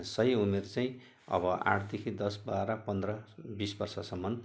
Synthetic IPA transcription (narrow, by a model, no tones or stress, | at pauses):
sʌjuneɾt͡saĩ | ʌ̰bʌa̰ʈʰd̪ekʰid̪ʌsbaɾʌpʌnd̪rʌbisbʌrsasʌmːʌn